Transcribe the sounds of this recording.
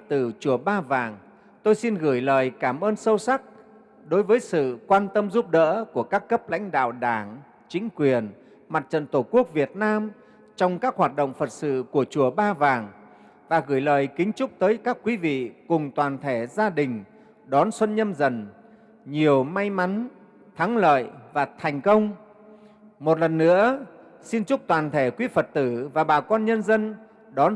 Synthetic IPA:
t̪ɨ˨˩t͡ɕu˧˩əɓaː˧vaː˨˩ŋ | t̪o˧jsi˧nɣɨ˧˩jləː˨˩jkaː˧˩mʔəː˧nsə˧wsa˦˥k̚ | ɗo˨˦jvəː˨˦jsɨ̰˧˨kwaː˧nt̪ə˧mzu˦˥p̚ɗə̰ː˧˥ku˧˩əkaː˦˥kːə˦˥p̚la̰˧˥jŋ̟ɗa̰ː˧˨wɗaː˧˩ŋ | t͡ɕï˨˦ŋ̟kwi˨˩ən | ma˨˩t̚t͡ɕə̰˧˨nt̪o˧˩ku˦˥ək̚vi˨˩ət̚naː˧m | t͡ɕɔ˧wŋ͡mkaː˦˥k̚hwaː˨˩t̚ɗo̰˧˨wŋ͡mfə˨˩t̚sɨ̰˧˨ku˧˩ət͡ɕu˧˩əɓaː˧vaː˨˩ŋ | vaː˨˩ɣɨː˧˩jləː˨˩jkï˨˦ŋ̟t͡ɕʊ˦˥k͡p̚t̪əː˨˦jkaː˦˥kːwi˨˦vḭ˧˨kʊ˨˩ŋ͡mt̪waː˨˩nt̪ʰe˧˩zaː˧ɗï˨˩ŋ̟ | ɗɔ˨˦nswə˧nɲə˧mzə˧˩n | ɲi˨˩əwma˧jma˨˦n | t̪ʰa˨˦ŋlə̰ː˧˨jvaː˨˩t̪ʰɛ˨˩jŋ̟kə˧wŋ͡m | mo˨˩t̚lə˨˩nːɨ̰˧˥ə | si˧nt͡ɕʊ˦˥k͡p̚t̪waː˨˩nt̪ʰe˧˩kwi˨˦fə˨˩t̚t̪ɨ˧˩vaː˨˩ɓaː˨˩kɔ˧nɲə˧nzə˧n | ɗɔ˨˦n

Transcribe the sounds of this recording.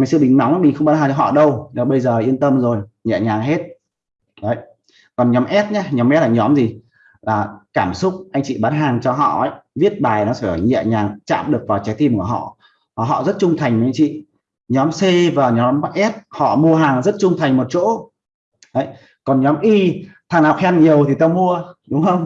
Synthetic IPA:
ma˨˩sɨ̰˧˨ɓï˨˩ŋ̟na˨˦wŋ͡mɓi˨˩xə˧wŋ͡mɓaː˨˦nhaː˨˩t͡ɕɔ˧ɦɔ̰˧˨ɗə˧wnɔ˨˦ɓə˧jzəː˨˩ʔi˧ənt̪ə˧mzo˨˩jɲɛ̰˧˨ɲaː˨˩ŋɦe˦˥t̚ | ɗə˨˦j | kɔ˨˩nɲɔ˨˦mʔɛ˦˥t̚ɲa˨˦ɲɔ˨˦mʔɛ˦˥tlaː˨˩ɲɔ˨˦mzi˨˩ | laː˨˩kaː˧˩msʊ˦˥k͡p̚ʔa˧jŋ̟t͡ɕḭ˧˨ɓaː˨˦nɦaː˨˩ŋt͡ɕɔ˧ɦɔ̰˧˨ə˨˦jvi˦˥ət̚ɓaː˨˩jnɔ˨˦saː˧˩ɔ˨˩ɲɛ̰˧˨ɲaː˨˩ŋt͡ɕa̰ː˧˨mɗɨ˨˩ək̚vaː˨˩wt͡ɕa˨˦jt̪ʰi˧mku˧˩əɦɔ̰˧˨ | maː˨˩ɦɔ̰˧˨zə˦˥t̚t͡ɕʊ˧ŋ͡mt̪ʰa˨˩jŋ̟mə˨˦a˧˦ŋ̟t͡ɕḭ˧˨ | ɲɔ˨˦mse˧vaː˨˩ɲɔ˨˦m˦ʔɛ˦˥t̚hɔ̰˧˨mu˧əɦaː˨˩ŋzə˦˥t̚t͡ɕʊ˧ŋ͡mt̪ʰa˨˩jŋ̟mo˨˩t̚t͡ɕo̰˧˥ | ʔə˨˦j | kɔ˨˩nɲɔ˨˦mʔi˧t̪ʰaː˨˩ŋha˨wk͡p̚hɛ˧˦nɲi˨˩əwt̪ʰi˨˩t̪aː˧mu˧əɗʊ˨˦ŋ͡mhə˧wŋ͡m

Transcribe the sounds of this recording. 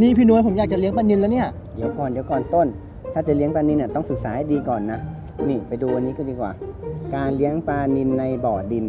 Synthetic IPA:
niː˧˥˨pʰiː˧nu˧jpʰo˩˦jaː˨˩k̚t͡ɕa˨li˦əŋpa˧ni˧nlɛː˦˥˦ni˥˩ɐ | di˨˦ə˦wkɔː˨˩ndi˦əwkɔː˨˩nt̪o˥˩˨n | t̪ʰaː˥˩t͡ɕa˨˩li˦əŋpaː˧ni˧nːa˧˩t̪ɔ˥˩ŋsɯ˨˩k̚saː˨˦ha˧˦diː˧kɔː˨˩nːa˧˦˥ | niː˧˩pa˧jduː˧ʔa˧nːiː˦˥kɔ˥˩t̪iː˧˩kwaː˨˩kaː˧nli˦˥əŋpaː˧ni˧nːa˧jbɔː˨˩t̚di˧n

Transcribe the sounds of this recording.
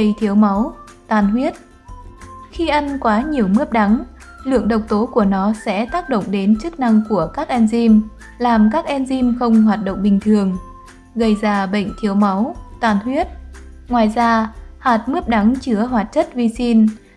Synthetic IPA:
ə˧jt̪ʰi˨˦əwma˨˦wt̪aː˨˩nhwi˦˥ət̚ | xi˧ʔa˧nkwaː˨˦ɲi˨˩əwmɨ˦˥əp̚ɗa˨˦ŋ | lɨ̰˧˨əŋɗə˨˩wk͡p̚t̪o˨˦ku˧˩ənɔ˨˦sɛ̰˧˥t̪aː˦˥k̚ɗo̰˧˨wŋ͡mɗe˨˦nt͡ɕɨ˦˥k̚na˧ŋku˧˩əkaː˦˥k̚ʔɛ˧nzi˧m | laː˨˩mkaː˦˥k̚ʔɛ˧nzi˧mxə˧wŋ͡mɦwaː˨˩t̚ɗo̰˧˨wŋ͡mɓï˨˩ŋ̟t̪ʰɨ˨˩əŋ | ɣə˧˩jzaː˧˩ɓə̰˧˨jŋ̟t̪ʰi˨˦əwma˨˦wt̪aː˨˩nhwi˦˥ət̚ | ŋwaː˨˩jzaː˧haː˨˩t̚mɨ˦˥əp̚ɗa˨˦ŋt͡ɕɨ˧˩əɦwaː˨˩t̚t͡ɕə˦˥t̚vi˧si˧n

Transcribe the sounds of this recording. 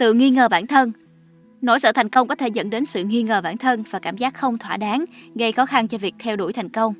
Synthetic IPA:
t̪ɨ̰˧˨ŋi˧ŋəː˨˩ɓaː˧˩nt̪ʰə˧n | no̰˧˩jsə̰˧˩t̪ʰŋ̟kə˧wŋ͡mkɔ˨˦t̪ʰe˧˩zə̰˧˥nɗe˨˦nsɨ̰˧˨ŋi˧ŋəː˨˩ɓa̰ː˧˩nt̪ʰə˧nvaː˨˩kaː˧˩mzaː˦˥k̚xə˧wŋ͡mt̪ʰwaː˧˩ɗaː˨˦nɣə˧jxɔ˨˦xa˧nt͡ɕɔ˧vi˨˩ək̚t̪ʰɛ˧wɗṵ˧˩jt̪ʰa˨˩jŋ̟kə˧wŋ͡m

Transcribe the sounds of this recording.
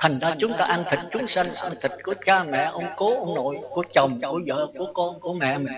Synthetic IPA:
t̪ʰa˨˩jŋ̟zaː˧t͡ɕʊ˨˦ŋ͡mt̪aː˧ʔa˧nt̪ʰï˨˩k̟̚t͡ɕʊ˨˦ŋ͡msa˧nʔaː˧nt̪ʰï˨˩k̟̚ku˧˩ət͡ɕaː˧mɛ̰˧˨ʔə˧wŋ͡mko˨˦ʔə˧wŋ͡mno̰˧˨jku˧˩ət͡ɕə˨˩wŋ͡mku˧˩əzə̰ː˧˨ku˧˩əkɔ˧nku˧˩əmɛ̰˧˨mɨ˨˩ŋ

